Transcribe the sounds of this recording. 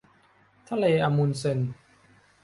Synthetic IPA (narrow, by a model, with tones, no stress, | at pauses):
t̪ʰa˦˥˨leː˧ʔa˧mu˧nse˧n